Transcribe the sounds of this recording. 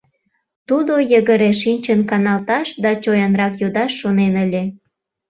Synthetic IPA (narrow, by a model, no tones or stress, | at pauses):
t̪ud̪ojəɣəɾeʃinʲt͡ɕənkɑnɑlt̪ɑʃd̪ɑt͡ɕojɑnrɑkjud̪ɑʃːonenəlʲe